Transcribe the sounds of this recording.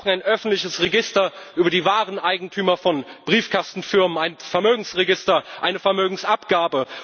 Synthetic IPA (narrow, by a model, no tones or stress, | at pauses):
naɪnʔœfn̩tlɪçəsʁeɡɪstɐʔyːbɐdiːvaːʁənʔaɪɡŋ̩tʰyːmɐfɔnb̥ʁiːfkʰastn̩fɪɐmənaɪnfɛɐmøːɡŋ̩sʁeɡɪstɐʔaɪnəfɛɐmøːɡŋ̩sʔapɡ̥aːbə